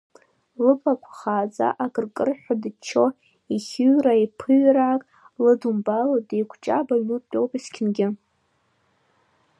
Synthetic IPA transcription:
lɨpʰʼakʷʰχaːd͡za̰ʔaɡɨrkʼɨrħʷᶣadɨt͡ʃʰo̞ | iχʲɨraipʰɨɥraːkʼ | lɨdumbalodejkʷʰt͡ʃʼabaɥnutʼo̞wpʼiskʲʰɪnɡʲɪ

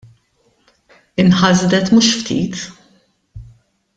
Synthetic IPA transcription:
ɪnħɐzd̪ɛt̪muʃft̪ʰḭːt̪

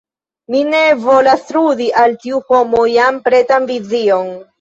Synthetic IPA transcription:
mine̞vo̞lasludiʔaltiuho̞mojampɾe̞tanvizio̞n

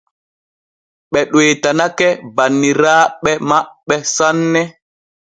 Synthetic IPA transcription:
ɓɛɗweːtanakɛbanːiɾaːɓɛmaɓːɛsanːɛ

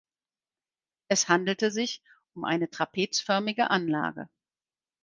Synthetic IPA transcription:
ʔɛshandl̩təzɪç | ʊmʔa̰ɪnətʁ̥apʰeːt͡sfœɐmɪɡə̰ʔanla̰ːɡə̰

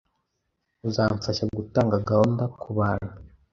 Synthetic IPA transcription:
uzaːɱfaʃaɡutaːŋɡaɡaondakʰuβaːna

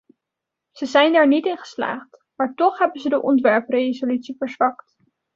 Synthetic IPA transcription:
z̥əzɛjndaːɹnitɪnχə̥sla̰ːχt | maːɹtɔχɦɛbənzədəʔɔntʋɛɹprejzolytsivəɹzʋɑkt

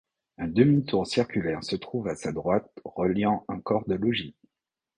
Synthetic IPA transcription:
ɛ̃d̪əmit̪uʁsiʁkʲylɛʁsət̪χuvasad̪ʁwat̪ʁəljɑ̃ɑ̃kɔʁd̪əlɔʒi

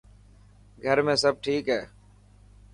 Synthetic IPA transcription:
ɡʱəɾmẽːsəb̚ʈʰiːkɦɛː

